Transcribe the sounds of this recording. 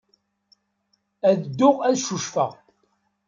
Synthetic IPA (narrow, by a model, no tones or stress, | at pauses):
æðd̪ːʊʁæðʃuʃfə̰ʁ